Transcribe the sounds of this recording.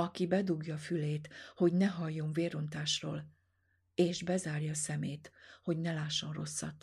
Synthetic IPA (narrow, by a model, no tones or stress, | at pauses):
ɒkibɛd̪uɡjɒːfyleːt̪ho̞ɟnɛɦɒjːo̞ɱveːɾo̞nt̪aːʃro̰ːl | eːʒbɛzaːrjɒːsɛmeːt̪ho̞ɟnɛlaːʃːo̞nro̞̰sːɒ̰t̪ː